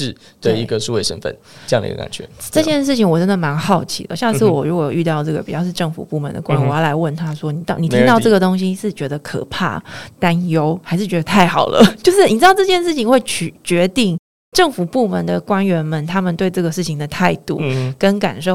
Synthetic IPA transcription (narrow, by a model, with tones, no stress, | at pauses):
ɻ̩˥˩ | d̪̥ə˩i˧˦ɡə˧ʂu˥˧we˥˩ɪʂə̰˥nfə̰˥˩nʈ͡ʂə˥˧j̰d̪ə̰˩ḭ˧ɡə̰ka̰˨˩nt͡ɕɥɛ̰˧˦ʈ͡ʂɤ˥˧t͡ɕjɛ˥˧nʂ̬ɻ̩˥˩t͡ɕʰi˧˦ŋwɔ˨˩ʈ͡ʂə˦˥nd̪ə˨˩ma˧˥nxɑ˥˩ʊt͡ɕʰḭ˧˥lə̰˦ɕja˥˧t͡s̩˥wɔ˨˩ɻu˧˥kwɔ˨˩˨y˥˧t̪̬ɑ˥˧ʊʈ͡ʂɤ˥˩ɡə̰˩pi˨˩t͡ɕjɑ˥˧ʂɻ̩˥˧ʈ͡ʂɤ˥˩ŋfṵ˨˩pu˥˩mə̰˨˦nd̪ə̰˩kwa˥˦nwɔ˨˩jɑ˥˩la˧˥ɪwə˥˩nt̪ʰa˥swɔ˥ni˨˩t̪ɑ˥˩ʊni˨˩t̪i˥ŋt̪ɑ˥˧ʊʈ͡ʂɤ˥˩ɡə˩t̪o˥ŋɕi˥ʂɻ̩˥˩t͡ɕɥɛ˧˥d̪ə˧kʰɤ̰˨˩pʰa̰˥˩t̪a˦njo˥ʊxa˧˥ɪʂɻ̩˥˩t͡ɕɥɛ˧˥d̪ə˧t̪ʰa˥˩ɪxɑ˨˩ʊlə̰˦t͡ɕjo˥˧ʊʂɻ̩˥˩n˨˩ʈ͡ʂɻ̩˥t̪ɑ˥˧ʊʈ͡ʂɤ˥˧t͡ɕjɛ˥˧nʂ̬ɻ̩˥˩t͡ɕʰi˩ŋxwe˥˩ɪt͡ɕʰy˨˩t͡ɕɥɛ˧˥t̪i˥˩ŋ | ʈ͡ʂɤ˥˩ŋfu˨˩pu˥˩mə˧˦nd̪ə˨kwa˦˥nɥɛ˧˥nmə˨nt̪ʰa˥mə˨nt̪we˥˧ɪʈ͡ʂɤ˥˩ɡə˩ʂɻ̩˥˩t͡ɕʰi˩ŋd̪ə˩t̪ʰa˥˧ɪt̪ṵ˥˩kə˦nka̰˨˩nʂo˥˨